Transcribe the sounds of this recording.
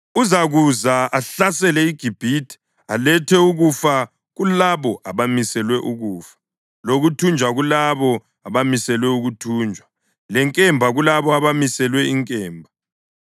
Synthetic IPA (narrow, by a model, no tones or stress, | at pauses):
uzaɣuzaaɬasɛlɛiɡ̥ʱib̥ʱitʰi̥ | alɛtʰɛuɣufa | ɣulaβɔʔaβamisɛlwɛʔuɣuːfḁ | loɣutʰund͡ʒʱwaɣulaβɔ | aβamisɛlwɛuɣutʰuːnd͡ʒʱwa | lɛŋkʼɛmbʱaɣulaβɔaβamisɛlwɛiŋkʼɛːmbʱa